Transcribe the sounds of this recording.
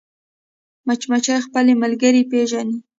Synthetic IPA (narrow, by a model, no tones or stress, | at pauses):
mat͡ʃmat͡ʃajxpəlemalɡəɾipeʒani